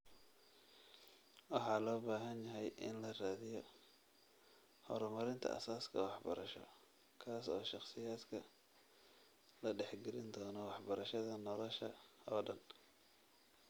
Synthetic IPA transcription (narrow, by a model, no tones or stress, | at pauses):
wɑħɑːlɔːbaːɦɐnjɐɦɛjʔɪ̰nlɐraːðɪjɔ | hɔ̰ɾmɐɾɪnt̪ʰɐ̰ʔɐ̰saːskʰɐwɑħbɐɾɐʃɔ̰ | kʰaːsɔːʃɑχsɪjaːd̪kʰɐ | lɐɖɛħɡɪɾɪnd̪ɔːnɔwɑħbɐɾɐʃɐðɐnɔlɔʃɐɔːɖɐn